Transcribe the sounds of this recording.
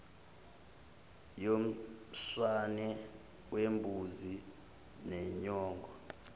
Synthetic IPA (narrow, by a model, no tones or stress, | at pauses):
jom̩sanɛ | wembʱuzi | nɛɲɔːŋɡʱɔ